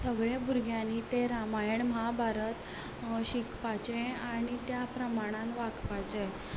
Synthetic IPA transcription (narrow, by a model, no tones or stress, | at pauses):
səɡɭjabʱuɾɡʱjãnit̪eɾamajəɳmabʱaɾət̪ | ɕikpat͡ɕeaɽ̃it̪japɾəmaɽ̃ãnʋakpat͡ɕe